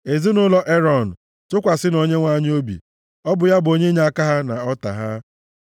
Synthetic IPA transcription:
e˨zi˦nʊ˦lɔ˦ʔe˦ɾɔ˨n̩˨ | tʊ˦kʷa˨sɪ˦no˨ɲe˦ŋʷa˦ɲ˦o˦bḭ˨ | ɔ˦bʊ˨ja˦bo˦ɲe˦ɲ˦a˦ka˦ɦa˦na˨ɔ˦ta̰˨ɦa˦

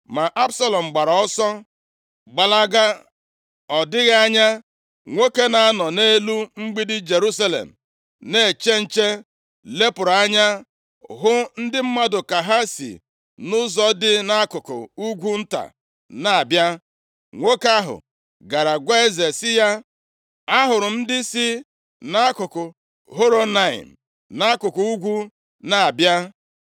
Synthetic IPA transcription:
ma˨ʔa˦bsa˦lɔ˨m̩˨ɡ͡ba˨ɾa˨ɔ˦sɔ˦ | ɡ͡ba˨la˦ɡa˦ | ɔ˨dɪ˦ɣa˦a˦ɲa˦ | ŋʷe˦ke˦na˨a˦nɔ˨ne˦lu˦ŋ͡m̩˦ɡ͡bi˦dɪ˦d͡ʒe˨ɾu˦s̬a˦lḛ˨m̩˨ | ne˦˨t͡ʃe˦n̩˦t͡ʃe˦ | le˦pʊ˨ɾa˦ɲa˦ | ɦʊ˦n̩˦dɪ˦m̩˦ma˦dʊ˨ka˨ɦa˦sḭ˨ | nʊ˦zɔ˦dɪ˦na˦kʊ˨kʊ̰˨u˦ɡʷu˦n̩˦ta̰˨ | na˨a˨bja˦ | ŋʷo˦ka˦ɦʊ̰˨ | ɡa˨ɾa˨ɡʷa˦e˦ze˨sɪ˦ja˦ | a˦ɦʊ˨ɾʊ˨n̩˦dɪ˦si˦ | na˦kʊ˨kʊ˨ | ɦo˦ɾo˦na˦˨ɪ̰˨n̩˨ | na˦kʊ˨kʊ˨u˦ɡʷu˦ | na˨a˨bja˦

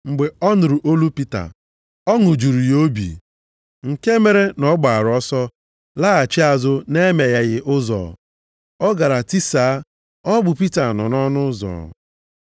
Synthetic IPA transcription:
ŋ͡m̩˨ɡ͡be˨ɔ˦nʊ˨ɾʊ˨ʔo˦lu˦pi˦ta̰˨ | ɔ˦ŋʊ˨d͡ʒu˨ɾu˨jo˦bḭ˨ | ŋ̩˨ke˦me˨ɾe˦nɔ˦ɡ͡ba˨ɾɔ˦sɔ˦ | la˦a˨t͡ʃɪ˦a˨zʊ˦ne˦me˨ɣa˦ɣɪ˦ʔʊ˦zɔ̰˨ | ɔ˦ɡa˨ɾa˨ti˦saː˨˦ | ɔ˦ɡ͡bʊ˨pi˦ta˨nɔ̰˨nɔ˦nʊ˦zɔ̰˨

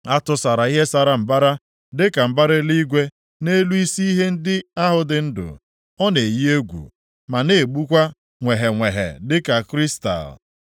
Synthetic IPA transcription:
a˦tʊ˨sa˨ɾa˨i˦ɦe˦sa˨ɾa˨m̩˨ba˦ɾa˦ | dɪ˦ka˨m̩˨ba˦ɾe˦li˦ɡʷe˦ | ne˦lu˦i˦si˦i˦ɦe˦n̩˦dɪ˦a˦ɦʊ˨dɪ˨n̩˦dʊ̰˨ | ɔ˦ne˨ji˦e˦ɡʷṵ˨ | ma˨ne˦˨ɡ͡bu˦kʷa˦ | ŋʷe˨ɦe˨ŋʷe˨ɦḛ˨dɪ˦ka˨kɾi˦sta̰˨l

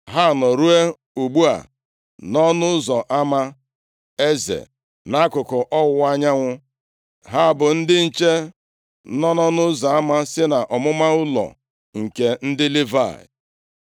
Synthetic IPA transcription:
ɦa˦˨nɔ˨ɾu˦e˦ | u˨ɡ͡bu˦a̰˨ | nɔ˦nʊ˦zɔ˨ʔa˦ma˦ | e˦zḛ˨ | na˦kʊ˨kʊ˨ʔɔ˦wʷa˦ɲa˦ŋʷʊ˦ | ɦa˦˨bʊ˨n̩˦dɪ˦n̩˨t͡ʃe˦ | nɔ˦nɔ˦nʊ˦zɔ˨a˦ma˦sɪ˦na˨ʔɔ˨mʊ˦ma˦ʊ˦lɔ̰˨ | ŋ̩˨ke˨n̩˦dɪ˦li˦va̰˨

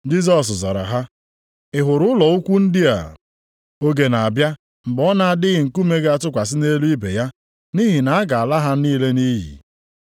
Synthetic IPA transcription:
d͡ʒi˦z̬ɔ˨s̬zɔ̰˨ɾa̰˨ɦa˦ | ɪ˦ɦʊ˨ɾʊ˦lɔ˨u˦kʷu˦n̩˦dɪ˦a̰˨ | o˦ɡe˨na˨a˨bja˦ | m̩˨ɡ͡bɔ˦na˨a˦˨dɪ˦ɣɪ˨ŋ̩˨ku˦me˦ɡa˨tʊ˦kʷa˨s̬ɪ˦ne˦lu˦i˦be˨ja˦ | ni˦ɦi˨na˨a˦ɡa˨a˨la˦ɦa˦niː˦le˦ni˦ɦḭ˨

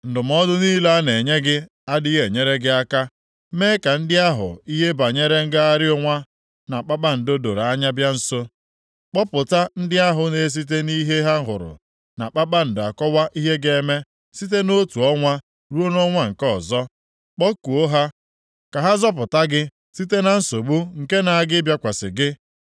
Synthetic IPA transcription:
n̩˨dʊ˨m˨ɔ˦dʊ˦niː˦la˦ne˨ɲe˦ɡɪ˦ | a˦dɪ˦ɦe˨ɲe˦ɾe˦ɡɪ˦a˦ka˦ | me˦ka˨n̩˦dɪ˦a˦ɦʊ̰˨i˦ɦe˦ba˨ɲe˦ɾe˦ŋ̩˦ɡa˦a˦ɾɪ˦ʊ˦ŋʷa˦ | na˨k͡pa˦k͡pa˦n̩˨do˦do˨ɾa˨a˦ɲa˦bja˦n̩˦so˦ | k͡pɔ˦pʊ˨ta˦n̩˦dɪ˦a˦ɦʊ˨ne˦s̬i˦t̬e˦ni˦ɦe˦ɦa˦ɦʊ̰˨ɾʊ̰˨ | na˨k͡pa˦k͡pa˦n̩˨da˨kɔ˦wa˦ʔi˦ɦe˦ɡe˦˨e˦me˦ | si˦t̬e˦no˦tu˨ɔ˦ŋʷa˦ | ɾu˦o˦nɔ˦ŋʷa˦ŋ̩˨kɔ˦˨zɔ˦ | k͡pɔ˦ku˨o˦ɦa˦ | ka˨ɦa˦zɔ˦p̬ʊ˨ta˦ɡɪ˦ | si˦te˦na˨n̩˦so˨ɡ͡bu˦ŋ̩˨ke˦na˨a˦ɡɪ˦bja˦kʷa˨sɪ̰˨ɡɪ˦

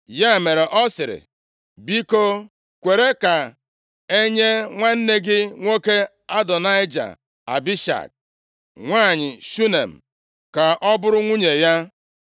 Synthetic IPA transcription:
ja˦˨me˨ɾe˨ʔɔ˦sɪ˨ɾɪ̰˨ | bi˦ko˦ | kʷe˨ɾe˦ka˨ | e˦ɲe˦ŋʷa˦n̩˦ne˦ɡɪ˦ŋʷo˦ke˦ | a˦dɔ˨na˦ɪ˦d͡ʒa̰˨ | a̰˨bi˦ʃa̰˨k̚ | ŋʷaː˦˨ɲɪ˨ʃu˦ne˨m̩˨ | ka˨ʔɔ˦bʊ˦ɾʊ˦ŋʷu˦ɲe˨ja˦

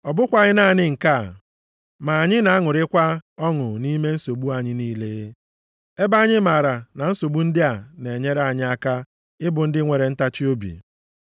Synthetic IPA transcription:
ɔ˨bʊ˦kʷa˨ɲɪ˦na˦˨ɲɪ˦ŋ̩˨ka˦˨ | ma˨a˨ɲɪ˦na˨a˦ŋʊ˨ɾɪ˦kʷa˦ɔ˦ŋʊ˨ni˦me˦n̩˦so˨ɡ͡bu˦a˨ɲɪ˦niː˦le˦ | e˦ba˦ɲɪ˦ma˨ɾa˨na˨n̩˦so˨bu˦n̩˦dɪ˦a˨ne˨ɲe˦ɾa˨ɲɪ˦a˨ka˦ | ɪ˦bʊ˨n̩˦dɪ˦ŋʷe˨ɾe˨n̩˦ta˦t͡ʃi˦o˦bḭ˨

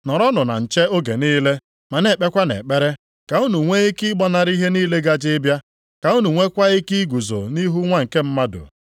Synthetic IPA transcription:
nɔ˨ɾɔ˦nʊ˨na̰˨n̩˨t͡ʃe˦o˦ɡe˨niː˦le˦ | ma˨ne˨k͡pe˦kʷa˦nḛ˨k͡pe˦ɾe˦ | ka˨u˦nu˨ŋʷe˦e˦ki˦ɡ͡bɔ˦na˨ɾi˦ɦe˦niː˦le˦ɡa˦d͡ʒɪ˦bja˦ | ka˨u˦nu˨ŋʷe˦kʷa˦e˦ki˦ɡu˨zo̰˨ni˦ɦu˦ŋʷa˦ŋ̩˨ke˦m̩˦ma˦dʊ̰˨

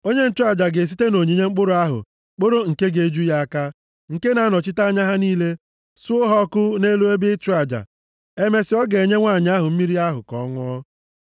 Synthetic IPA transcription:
o˦ɲe˦n̩˦t͡ʃu˦a˦˨d͡ʒa˨ɡe˨s̬i˦te˦no˨ɲi˨ɲe˦ŋ͡m̩˦k͡pʊ˦ɾʊ˨˦a˦ɦʊ̰˨ | k͡pʊ˦ɾo˦ŋ̩˨ke˦ɡe˨d͡ʒu˦ja˦a˦ka˦ | ŋ̩˨ke˦na˨˦nɔ˨t͡ʃɪ˦ta˦ɲa˦ɦa˦niː˦le˦ | sʊ˦ʊ˦ɦɔ˦kʊ˦ne˦lu˦e˦bɪ˦t͡ʃʊ˦a˨d͡ʒa̰˨ | e˦me˨sɪ˨˦ɔ˦ɡe˨ɲe˦ŋʷa˦˨ɲ˦a˦ɦʊ˨m̩˦mi˦ɾi˦a˦ɦʊ̰˨kɔ̰˨˦ŋʷɔ˦

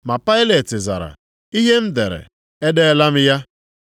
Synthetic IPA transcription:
ma˨pa˦ɪ˦le˨tɪ˨za̰˨ɾa̰˨ | i˦ɦe˦m̩˦de˨ɾḛ˨ | e˦de˦la˦m̩˦ja˦

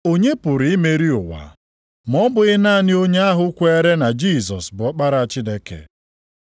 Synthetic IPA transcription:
o˦ɲe˦pʊ˨ɾɪ˨ɪ˦me˨ɾi˦ʊ˨wa̰˨ | mɔ˦bʊ˨ɣɪ˦na˦˨nɪ˦o˦ɲe˦a˦ɦʊ˦kʷe˦ɾe˦na˨d͡ʒi˦˨sɔ˨sbʊ˨ɔ˦k͡pa˦ɾa˨a˨t͡ʃɪ˦de˦kḛ˨

